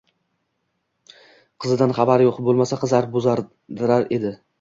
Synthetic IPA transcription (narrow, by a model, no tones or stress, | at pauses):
qʰɨzɪd̪anχɑbaɾjoqbolˠmasaqʰɨzaɾbozaɾ | d̪ɪɾaɾe̞d̪ɪ